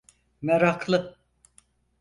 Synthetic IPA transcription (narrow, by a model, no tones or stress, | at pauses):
mɛɾakʰlˠɯ